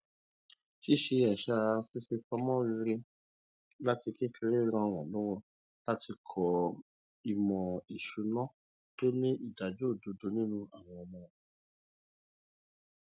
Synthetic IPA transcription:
ʃi˦ʃe˧ɛ˨ʃa˧si˦se˧fa˧mɔ̃˦wi˧ɾi˦ | la˦ti˧ke˦fe˧ɾe˦˧ɾ̃ã˧˨w̃ɔ̃˨lũ˨˦wɔ̃˧ | la˦ti˧kʰɔ˧ | i˧mɔ̃˨i˨ʃu˧nɔ̃˦ | to˦nĩ˦ʔi˦˨da˨d͡ʒo˦o˦˨do˨˧do˧nĩ˦nũ˦a˦˨w̃ɔ̃˧mɔ̃˦˧

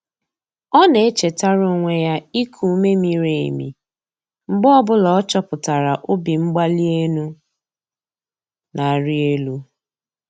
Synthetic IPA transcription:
ɔ˦ne˨e˦t͡ʃe˨ta˦ɾʊ˦ŋʷe˦ja˦i˦kʰu˨˦me˦mi˦ɾe˨ḛ˨mḭ˨ | ŋ͡m̩˨ɡ͡bɔ˦bʊ˦lɔ˨ɔ˦t͡ʃɔ˦pʊ˨ta˨ɾa˨ʔʊ˦bi˨ŋ͡m̩˦ɡ͡ba˦li˦e˦nu˦ | na˨a˨ɾi˦e˦lu˦

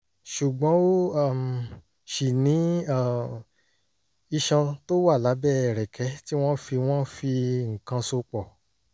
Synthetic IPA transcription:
ʃu˨ɡ͡bɔ̃˨˦o˦a˦˨m˨ | ʃi˨nĩ˨˦a˦˨ | i˧ʃã˧to˦wa˦˨la˨˦bɛ˦˨ɾɛ˨kʰɛ˨˦ti˦w̃ɔ̃˦fi˧w̃ɔ̃˦fi˧ŋ̩˨kã˧so˧k͡pɔ˨

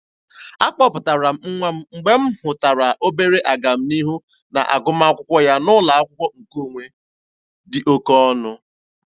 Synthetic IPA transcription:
a˦k͡pɔ˦pʊ˨ta˨ɾa˨˦ŋ͡m̩˨ɡ͡be˦m̩˦hʊ˨ta˨ɾa˨ʔo˦be˦ɾe˦ʔa˨ɡa˨m̩˦ni˦ɦu˦ | na̰˨ʔa̰˨ɡʊ˦ma˦a˦kʷʊ˦kʷɔ˦ja˦nʊ˦la˨a˦kʷʊ˦kʷɔ˦ŋ̩˨ko˦˨ŋʷe˦ | dɪ˨ʔo˦kɔ˦ɔ˦nʊ˦

